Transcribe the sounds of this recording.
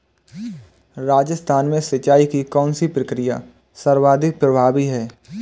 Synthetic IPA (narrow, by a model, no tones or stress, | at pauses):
ɾaːd͡ʒəst̪ʰaːnmẽsət͡ʃaːikikɔːnsipɾəkɾɪja̰ː | səɾwaːd̪ʱɪk̚pɾəbʱaːbiɦɛː